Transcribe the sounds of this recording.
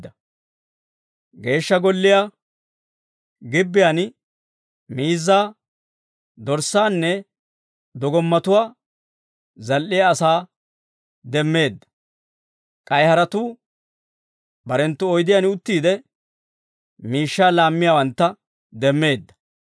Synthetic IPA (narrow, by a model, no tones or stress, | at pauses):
ɐ | ɡe̞ːʃːɐɡɔlːɪja | ɡɪbːɪjan | miːzːaː | d̪ɔɾsːaːnːɛ | d̪ɔɡɔmːɐt̪ʊwaː | zɐlʔːɪjaːsaː | d̪ɛmːe̞ːd̪ːɐ̥ | kʼɐjhɐɾɐt̪u | bɐɾɛnt̪ːʊɔjd̪ɪjaːnʊt̪ːiːd̪ɛ | miːʃːaːlaːmːɪjawɐnt̪ːɐ | d̪ɛmːe̞ːd̪ːɐ̥